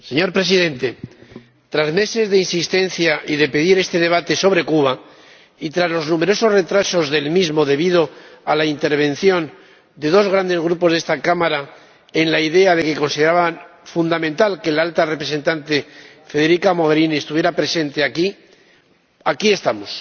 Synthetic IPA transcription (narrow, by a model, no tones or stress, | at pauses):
se̞ɲo̞ɾpɾe̞siðe̞nt̪e̞ | t̪ɾazme̞se̞zðe̞insist̪e̞n̟θjaʔiðe̞pe̞ðiɾe̞st̪eðe̞β̞at̪e̞so̞β̞ɾe̞kuβa | it̪ɾazlo̞znume̞ɾo̞so̞zre̞t̪ɾaso̞zðe̞lmizmo̞ðe̞βiðo̞alaint̪e̞ɾβ̞e̞nθjo̞n | d̪e̞ðo̞zɣ̞ɾand̪e̞zɣ̞ɾupo̞zð̞e̞st̪akamaɾa | e̞nlaiðe̞aðe̞ke̞ko̞nsiðeɾaβanfund̪amẽnt̪alkelalt̪are̞pɾese̞nt̪ant̪e̞ | fe̞ðe̞ɾikamo̞ɣ̞e̞ɾiniest̪uβjeɾapɾe̞se̞nt̪e̞aki | akie̞st̪amos